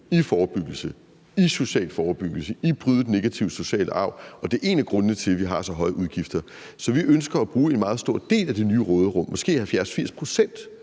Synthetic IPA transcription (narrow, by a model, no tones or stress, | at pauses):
ifɒːb̥yɡ̥l̩sə | iso̝ɕɛ̰ːlfɒːb̥yɡ̥l̩səib̥ʁyðˠəd̥ene̝ɡ̥æt͡sʰiʊso̝ɕɛ̰ːlʔəɑ̈ʊ̰ɒ̽d̥e̝ʔe̝ːnæɡ̥ʁɔ̽nːət͡sʰe̝lʋiɦɑ̈sɒ̽ɦɒ̽ɪəʔuðˠɡ̥ifd̥ɐ | sɒ̽ʋiʔønsɡ̥ɐæb̥ʁuːe̝nmɑ̈ːð̞̩ˠsd̥o̝ɐ̰d̥e̝̰ːlæd̥e̝nyːʁɔːð̞ˠʁɔ̽m̰ːɒ̽sɡ̥e̝̰ːhælfjæɐsfiɐ̰spʰʁo̝sen̰d̥